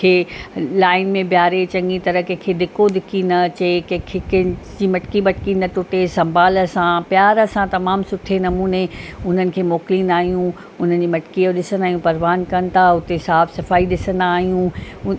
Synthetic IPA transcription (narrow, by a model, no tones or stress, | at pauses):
kʰeːlaːɪnmẽbjaːɾet͡ɕɐ̃ŋɡit̪ɐɾəkɐ̃ɦkʰed̪ɪkod̪ɪkinɐt͡ɕekɐ̃kʰekd͡ʑiːmɐʈkimɐʈkinɐʈʊʈesɐ̃mbʱaːlə̆sãpjaːɾəsãt̪ɐmaːmsʊʈʰenɐmuːneʊn̤ənɪ̆kʰeːmoːklinaːɦijũ | ʊn̤ənd͡ʑiːmɐʈkijoɗɪsənd̪aːɦijũpɐɾʋaːnkɐnt̪ʰaʊt̪esaːfsɐfaːiɗɪsə̃nd̪aːɦijũ